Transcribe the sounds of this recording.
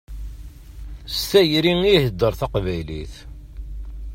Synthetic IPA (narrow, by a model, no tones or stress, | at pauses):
st̪æjɾiŋihəd̪ːəɾθɑqvæjlḭθ